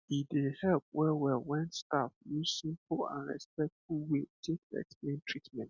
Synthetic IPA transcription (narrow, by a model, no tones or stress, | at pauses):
idehɛlp̚wɛwɛwɛ̃nstafjusĩmplã̰nɹɛ̰spɛk̚tfuwetʰek̚dɛ̰ksplẽntʰɹitmɛ̃nt